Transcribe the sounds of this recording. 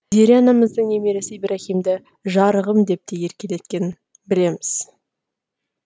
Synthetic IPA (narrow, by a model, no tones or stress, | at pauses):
d̪eɾianɑməzd̪əɴemeɾesɪibɾaχimd̪ɪ | ʒɑɾəʁəmd̪e̞p̚t̪ʰeje̞ɾkʲele̞t̪̚kʲe̞nɪn | bɪle̞mɪz̥